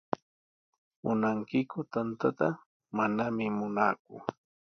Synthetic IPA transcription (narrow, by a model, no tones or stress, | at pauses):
mʊnaŋkɪkʊt̪ant̪at̪a | manamɪmʊnaːkʊ̰